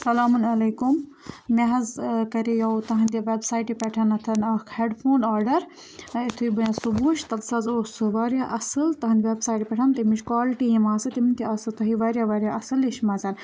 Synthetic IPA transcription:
sɐlaːmunɐlɐːkum | meɦɐzkɐɾejɐwt̪ɐɦɐnd̪ʲiʋeːbsaːjʈipʲɛʈʰɐnɐt̪ʰɐnɐkʰheːɖpʰoːnaːɾɖɐɾ | it̪ʰuibɐjasubuːʃt̪ɐlsɐzoːsɨʋaːɾʲjaːʔɐsɨlt̪ɐɦɐnd̪ʋebsaːiʈipʲɛʈʰɐnt̪imit͡ʃkaːlʈijimaːsɨt̪iminʲt̪iasɨt̪ʰuɦiʋaːɾjaʋaːɾʲjaʔɐsɨliʃmaːzɐːn

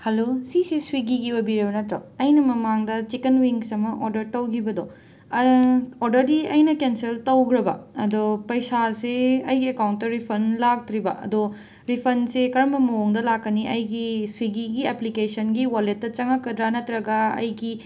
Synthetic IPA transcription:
hɐlosiseswiɡiɡiwɐbiɾɐbɐnɐtɾoɐjnɐmɐmaŋdɐt͡ʃikenwiŋsɐmɐʔoɾdɐɾtɐwɡibɐdo | oɾdɐɾdiɐjnɐkenseltɐwɡɾɐbɐ̰ɐdopɐjsaseɐjɡiekawntːɐɾipʰɐnlak̚tɾibɐʔɐ̰do | ɾipʰɐnsekɐɾɐmɐmɐoŋdɐlakːɐniʔɐjɡiswiɡiɡieplikesɐnɡiwaletːɐt͡ʃɐŋɐkːɐd̪ɾanɐtɾɐɡɐɐ̰jɡi

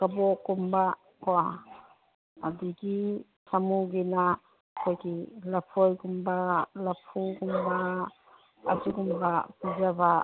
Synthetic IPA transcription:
kabɔkumba | koa | adiki | samuɡina | kʰojkilapʰojkumbalapʰukumba | asukumbakuzaba

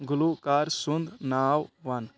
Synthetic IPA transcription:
ɡʊlukaːɾsʊnd̪naːwʋɐn

